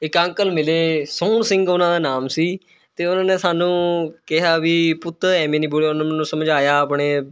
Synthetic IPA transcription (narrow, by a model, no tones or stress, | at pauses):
ɪkə̃ŋkəlmɪleːsoːnsɪ̃ŋɡʊnãːd̪aːnaːmsiː | t̪eːʊnãːneːsaːnũːkɪɦaːʋiːpʊt̪ɛːmẽːniːboleːʊnãːmːnũːsəmd͡ʒaːjaːaːpɳeː